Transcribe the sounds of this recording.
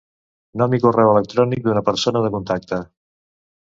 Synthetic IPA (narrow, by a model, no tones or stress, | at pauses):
nomikurɛwələk̚t̪ɾɔnik̚d̪unəpəɾsonəðəkunt̪ak̚t̪ə